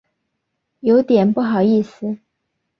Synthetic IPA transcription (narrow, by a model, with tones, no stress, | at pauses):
jo˧˥ʊt̪jɛ˨˩npu˥˩xɑ˨˩ʊi˥˩sɹ̩˨˩